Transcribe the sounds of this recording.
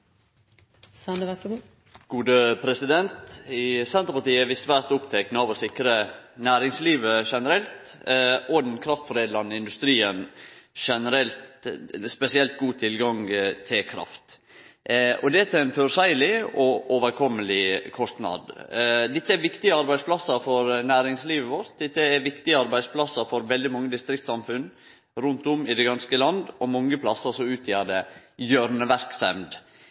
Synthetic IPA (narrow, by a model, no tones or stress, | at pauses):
sɛəæsɡu | ɡ̥uːd̪əpʰɾɛsɪd̪ɛnt̪ɪsɛnt̪əɾpɑʈ̪iːəʋɪst̪ʋæɾt̪ʊpt̪ʰɛknəɑʋɔsɪkɾənæːɾɪŋsliːʋəʂɛnəɾɛlt̪ʔɔd̪nkʰɾɑft̪fɔɾeːd̪lɑnːɪnd̪ʉst̪ɾiːənʂɛnəɾɛlt̪spɛsɪɛlt̪̚ɡuːt̪ʰɪlɡɑŋt̪ʰɪlkʰɾɑ̰ft̪ | ʔɔd̪ɛt̪ʰæɪnfœɾsæɪlɪɔʔoʋəɾkʰɔmːəlɪkʰɔst̪nɑ̰d̪d̪ɛt̪ːəæɾʋɪkt̪ɪəɑɾbæɪsplɑsːəɾfɔɾnæːɾɪŋsliːʋəʋɔɾt̪̚d̪ɛt̪ːəɛɾʋɪkt̪ɪəɑɾbæɪspʰlɑsːəɾfɔɾʋɛld̪ɪmɑŋːəd̪ɪst̪ɾɪkt̪sɑmfʉn | ɾʉnt̪ʊmɪd̪ɛɡɑnskəlɑnd̪ɔmɔŋːəpʰlɑsːəsɔʉːt̪ʰjɑd̪əbjøːɾnəʋæɾksɛ̰md̪